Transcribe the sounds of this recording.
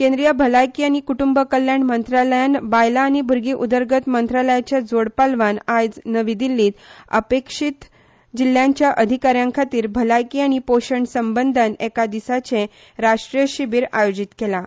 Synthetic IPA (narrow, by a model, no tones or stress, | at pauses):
kẽnd̪ɾijəbʱəlajkiːañikuʈumbəkəljanmənt̪ɾaləjanbajlaːñibʱuɾɡiːʔud̪əɾɡət̪mənt̪ɾaləjat͡ɕjad͡zoɽpalʋanajd͡znəʋid̪ilːiːt̪ə̰pekʂit̪ | d͡ʑil̤ːjãɲt͡ɕjaʔəd̪ʱikaɾjãŋkʰat̪iːɾbʱəlajkiːañipoɕəɳsəmbənd̪ʱənɛkad̪isat͡sẽ | ɾaʂʈɾijəɕibiːɾa̰jod͡ʑit̪kela